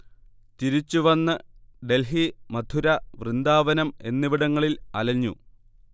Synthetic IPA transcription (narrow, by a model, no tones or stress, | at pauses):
t̪iɾit͡ɕːuʋɐnːɨɖe̞lɦimɐd̪ʱuɾɐʋrɨnd̪aːʋɐnɐme̞nːiʋiɽɐŋːɐɭilɐlɐɲːṵ